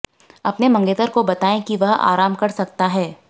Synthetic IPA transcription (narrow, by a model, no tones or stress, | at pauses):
ɐpnemɐ̃ŋɡeːt̪əɾkobɐt̪aːẽkiʋɐɦa̰ːɾaːmkɐɾsɐk̚t̪aɦɛː